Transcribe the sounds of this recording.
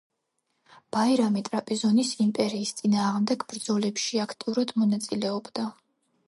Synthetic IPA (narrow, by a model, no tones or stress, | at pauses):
b̥aiɾamit̪ʼɾapʼizɔnisimpʼɛɾiːst̪sʼinaːʁmd̪ɛɡbɾd̪zɔlɛpʃiakʰt̪ʼiuɾad̪mɔnat̪sʼilɛɔbd̪a